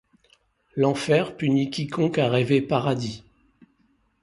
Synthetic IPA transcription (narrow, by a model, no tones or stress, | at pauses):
lɑ̃fɛʁpynikʲikɔ̃kaʁevepaʁad̪i